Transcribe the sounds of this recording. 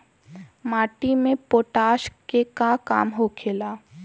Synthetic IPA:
maːʈimẽpoːʈaːʃkekakaːmɦokʰeːlaː

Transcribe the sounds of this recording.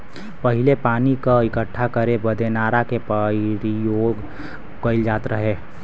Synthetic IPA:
pɐɦɪlepaːnikaɪkəʈʰːakɐɾebɐd̪ʱenaːɾakepaɾijoːɡ | kəɪld͡ʒaːt̪ɾɐɦeː

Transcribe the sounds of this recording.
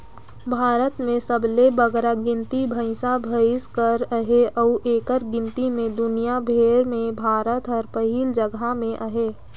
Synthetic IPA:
bʱaːɾət̪mẽsəblebəɡɾaɡɪ̃nt̪ibʱəɪsabʱəɪskəɾəɦeʔɔːʔeːkəɾɡɪ̃nt̪imẽd̪ʊnijabʱeːɾmẽbʱaːɾət̪ɦɔːɾpəɦiːld͡ʒəɡamẽʔəɦeː

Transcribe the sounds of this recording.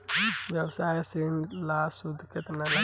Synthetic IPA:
ʋjɛwsajsinlasud̪ʱket̪nala

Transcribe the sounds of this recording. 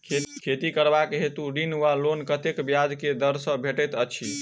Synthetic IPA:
kʰet̪ikəɾbakɦet̪uɾinʋalonkət̪ekbjad͡ʒked̪əɾsə̃bʱeʈɛt̪ət͡ʃʰi

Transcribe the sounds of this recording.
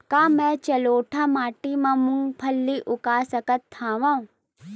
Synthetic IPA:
kaːmɛ̃ːt͡ʃɐloːʈʰamaːʈimãmʊ̃ŋɡpʰɐlːiʔʊkaːsɐkət̪ʰːãːʋãũ

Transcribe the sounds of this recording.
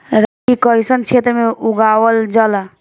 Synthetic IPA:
ɾaʈikɔjsənt͡ʃʰet̪ɾmeʔuɡaːwəld͡ʒəla

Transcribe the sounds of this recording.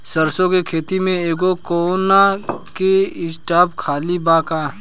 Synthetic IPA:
səɾsõkekʰeːt̪imẽeːɡokoːɾonakeɪsʈaːpkʰaːlibãːkaː

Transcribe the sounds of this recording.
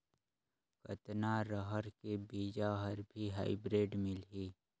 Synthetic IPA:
kət̪naɾəɦəɾkebiːd͡ʒaɦəɾbʱiɦaːɪbɾeːɖmɪlɦiː

